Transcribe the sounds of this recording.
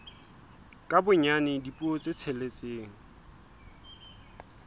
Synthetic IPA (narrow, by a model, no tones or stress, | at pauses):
kʼabʊɲanɪdipʼuɔt͡sʼet͡sʰelet͡sʼeːŋ̩